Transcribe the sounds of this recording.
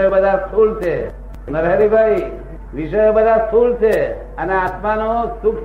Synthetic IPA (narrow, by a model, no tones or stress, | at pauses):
jobəd̪ʱaskʰult͡ʃʰe | nəɾɦəɾibʱai | ʋiʃəjobəd̪ʱaskʰult͡ʃʰe | əneat̪manosuk